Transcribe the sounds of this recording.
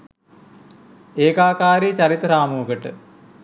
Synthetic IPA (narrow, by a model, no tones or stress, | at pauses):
eːkaːkaːɾit͡ɕɐɾit̪ːɾaːmuːɡəʈə̰